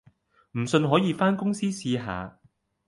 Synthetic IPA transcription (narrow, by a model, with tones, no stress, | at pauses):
m̩˨˩sɵ˧nɦɔː˨˥jiː˨˧faː˥nkʊ˥ŋsiː˥siː˧ɦa̰ː˨˧